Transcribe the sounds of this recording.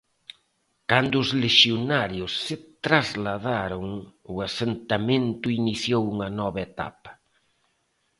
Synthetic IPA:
kand̪ʊːzleʃjonaɾjʊsːɪt̪ɾazlaðaɾʊŋʊasent̪amẽnt̪ʊiniθjowuŋɐnɔβɐet̪a̰pɐ̥

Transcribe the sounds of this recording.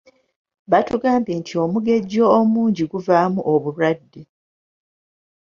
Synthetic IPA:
βatuɡaːmbeːntʰio̞muɡe̞ɟo̞ːmuːɲɟiɡuvaːmuʔoβuɾwadːi

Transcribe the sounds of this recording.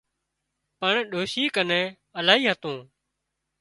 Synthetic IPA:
pəɳɗoːʃiːkənẽː | əlaːɦiːɦət̪õː

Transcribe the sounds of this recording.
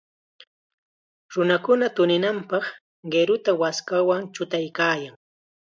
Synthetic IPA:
ɾʊnakʊnat̪ʊnɪnampɑχ | ɢeɾʊt̪awaskawaŋt͡ʃʊt̪ajkaːjaŋ

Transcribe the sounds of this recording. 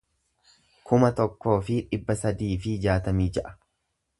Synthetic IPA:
kʰʊmɐt̪ɔkːo̞ːfɪᶑɪbːɐsɐd̪iːfɪd͡ʒaːt̪ɐmiːd͡ʒɐʔɐ̥

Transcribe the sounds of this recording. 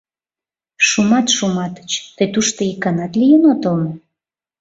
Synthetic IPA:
ʃumɑt̪ʃumɑt̪ə̥t͡ɕt̪əjt̪uʃt̪oikɑnɑt̪lijənot̪əlno

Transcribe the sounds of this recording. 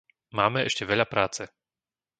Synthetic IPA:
maːmɛɛ̰ʃcɛʋɛʎapɾaːt͡sɛ

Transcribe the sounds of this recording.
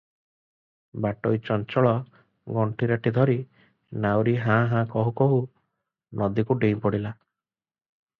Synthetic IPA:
baʈɔjt͡ʃɔnt͡ʃɔɭɔ | ɡɔɳʈʰiɾaʈid̪ʱɔɾi | nawɾiɦãɦãkɔɦukɔɦu | nʔɔd̪ikuɖej̃pɔɽila

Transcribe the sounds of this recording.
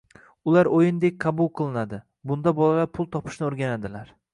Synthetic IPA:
ʊlaɾojɪnd̪ek̚ʲqʰɑbʊlˠqʰɨlˠɪnad̪ɪ | bʊn̪d̪abɒlalaɾpʰʊlˠt̪ʰɒpʰɪ̥ʃnɪoɾɡʲanad̪ɪlaɾ

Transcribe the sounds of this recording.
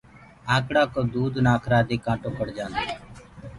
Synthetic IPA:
ãːkɽaːkoːd̪uːd̪naːkʰɾaːd̪eːkãːʈõːkəɽd͡ʒãːnd̪aː

